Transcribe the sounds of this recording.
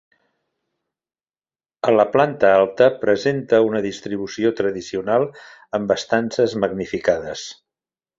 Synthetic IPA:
ələplant̪əalˠt̪əpɾəzent̪əunəðist̪ɾiβ̞usiot̪ɾəðisiunalˠəmbəst̪ansəzməɡnifikaðəs

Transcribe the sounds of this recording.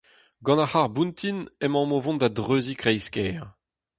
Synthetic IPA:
ɡɑ̃naχaʁbũnt̪inɛmɑ̃movɔ̃ndad̪ʁøːzikʁɛjskɛːʁ

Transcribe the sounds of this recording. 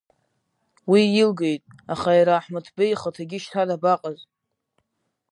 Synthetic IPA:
wiilɡejtʼaχajɾaːħmɨtʰbejχətʰaɡʲɪʃtʰadabaqʼaz

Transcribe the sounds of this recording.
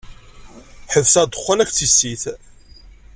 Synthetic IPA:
ħəðsæd̪əχːænæçt͡sːisːiθ

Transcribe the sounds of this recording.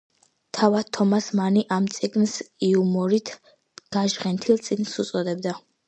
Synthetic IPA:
t̪ʰavad̪̚t̪ʰːɔmasmaniʔamt̪sʼiɡnsiumɔɾit̪ʰ | ɡ̥aʒʁɛnt̪ʰilˠt̪sʼiɡnsut̪sʼɔd̪ɛbd̪a

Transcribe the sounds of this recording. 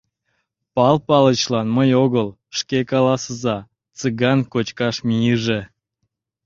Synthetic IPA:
pɑlpɑlət͡ɕlɑnməjoɣəl | ʃkekɑlɑsəzɑ | t͡sɨɣɑnkot͡ɕkɑʃmʲijəʒe

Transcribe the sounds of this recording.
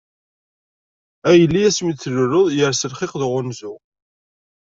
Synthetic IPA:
æjəlːiæsmit͡sːlʊɾʊðˤjəɾsəlχɪqðʁʊnzʊ

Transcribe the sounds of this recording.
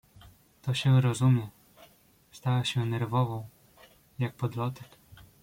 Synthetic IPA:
t̪ɔɕɛɾɔzumʲjɛ | st̪awaɕɛnɛɾvɔvɔ̃w̃ | jak̚pɔd̪lɔt̪ɛk

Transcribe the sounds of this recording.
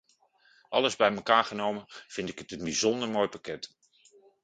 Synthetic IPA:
ʔɑləzbɛjməkaːɹχənowmənv̥ɪndɪkətənbizɔndəɹmoːjpakɛt

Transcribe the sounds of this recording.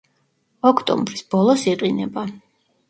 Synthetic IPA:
ɔkʰt̪ʼɔ̰mbɾisb̥ɔlˠɔsiqʼinɛba

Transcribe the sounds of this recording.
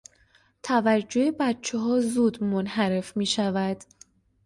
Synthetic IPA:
t̪ʰævæd͡ʒːohebæt̪t͡ʃʰeɦɒːzuːd̪monhæɾe̞fmiːʃævæd̪̥

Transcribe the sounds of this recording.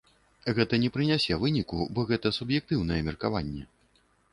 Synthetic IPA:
ɣɛt̪ɐnʲɛpɾɨnʲasʲɛvɨnʲikubɔɣɛt̪ɐsubjɛk̚t̪ɨwn̪ɐjɛmʲɛrkavanʲːɛ̰

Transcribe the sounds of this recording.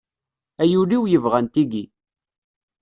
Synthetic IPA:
æjuliwjəvʁænt̪iɡi

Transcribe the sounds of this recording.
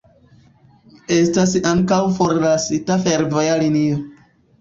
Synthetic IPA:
e̞stasaŋkawfo̞ɾlasitafe̞ɾvojalinio

